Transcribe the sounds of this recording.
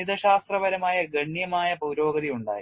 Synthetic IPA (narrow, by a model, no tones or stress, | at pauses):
iðɐɕaːst̪rɐʋɐɾɐmaːjɐɡɐɳjɐmaːjɐpuːɾo̞ːɡɐðijuɳɖa̰ːji